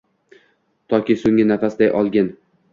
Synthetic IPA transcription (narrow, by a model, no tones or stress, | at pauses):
t̪ʰɒkʲisʊŋːɪnafasd̪ajʔɒlˠɡʲan